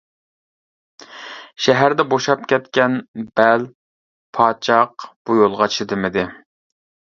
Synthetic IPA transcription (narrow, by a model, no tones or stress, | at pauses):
ʃɛɦæɾd̪ɛboʃɑp̚kʲʰɛt̪kʲɛnbɛl | pʰɑːt͡ʃʰɑqb̥ujolˠʁɑt͡ʃʰɪd̪ɪmɪd̪ɪ